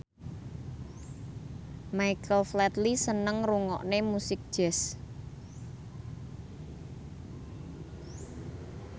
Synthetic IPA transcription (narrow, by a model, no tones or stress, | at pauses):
maikəflɛt̪lisənəŋruŋɔ̰ʔnemusɪk̚d̥ʒ̥ɛs